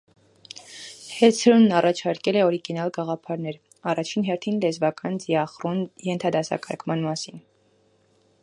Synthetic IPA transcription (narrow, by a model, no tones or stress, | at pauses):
hɛt͡sʰɾunːɑrɑt͡ʃʰɑɾkɛlɛɔɾiɡinɑlɡɑʁɑpʰɑɾnɛɾ | ɑrɑt͡ʃʰinɦɛɾt̪ʰinlɛzvɑkɑnd͡ziɑχrunjɛnt̪ʰɑd̪ɑsɑ̰kʰɑ̰ɾkʰmɑnmɑsin